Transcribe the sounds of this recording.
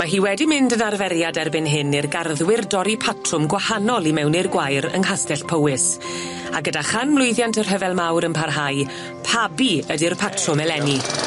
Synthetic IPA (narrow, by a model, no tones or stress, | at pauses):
maɦiːwɛdimɪndənarvɛɾjadɛrbɪnɦɪnirɡarðwɪrdɔɾipʰatʰrʊmɡwahanɔlˠimɛwnɪrɡwajɾə̰ŋɦastɛɬpʰəwɪs | aɡədaχanmlˠʊjðjantʰər̥ɦəvɛlˠmawɾənpʰarɦaj | pʰabiədirpʰatʰrʊmɛlɛni